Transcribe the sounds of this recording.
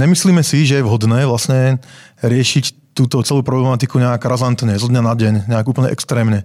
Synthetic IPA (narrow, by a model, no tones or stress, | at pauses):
ɲɛmisliːmɛsiʒɛjɛʋɦɔd̪nɛːʋlasɲɛɾɪɛʃic | t̪uːt̪ɔt͡sɛluːpɾɔblɛmat̪ikuɲɛaɡɾazant̪ɲɛzɔd̪ɲanadɟɛɲɲɛaɡuːpl̩ɲɛ̰ʔɛ̰kst̪ɾɛːmɲɛ